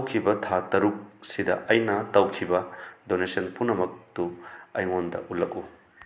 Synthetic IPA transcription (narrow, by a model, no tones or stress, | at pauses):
wkʰibɐtʰatɐɾuk̚sidɐ̰ʔɐjnɐtɐwkʰibɐdonesɐnpunɐmɐk̚tuɐjŋondɐ̰ʔulːɐku